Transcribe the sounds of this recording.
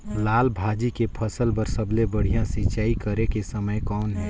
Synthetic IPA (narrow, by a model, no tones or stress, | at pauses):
laːlbʱad͡ʒikepʰəsəlbəɾsəblebəɽ̤ijãsɪt͡ʃaːikəɾekesəməjkɔːnɦɛː